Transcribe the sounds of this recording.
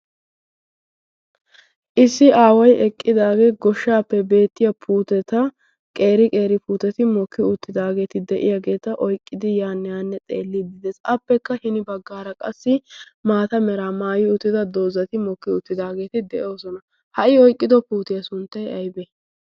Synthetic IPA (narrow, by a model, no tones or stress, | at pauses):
ʔɪsːɪaːwɐjɛkʼːɪd̪aːɡeːɡɔʃːaːpːɛbe̞ːt̪ːɪjɐpʰuːt̪ɛt̪ɐ | kʼe̞ːɾɪkʼe̞ːɾɪpuːt̪ɛt̪ɪmɔkːɪʊt̪ːɪd̪aːɡe̞ːt̪ɪd̪ɛʔɪ̰jaːɡe̞ːt̪ɐʔɔjkʼːɪd̪ɪjaːnːɛjaːnːɛt͡s̪ʼḛːlːɪd̪ɪd̪ɛsɐpːɛkːɐhɪnɪbɐɡːaːɾɐkʼɐsːɪmaːt̪ɐmɛɾamaːjɪʊt̪ːɪd̪ɐd̪o̞ːzɐt̪ɪmɔkːɪʊt̪ːɪd̪aːɡe̞ːt̪ɪd̪ɛʔo̞ːsɔnɐ | hɐʔɪɔjkʼːɪd̪ɔpuːt̪ɪjɐsʊnt̪ːɐjɐjbɛ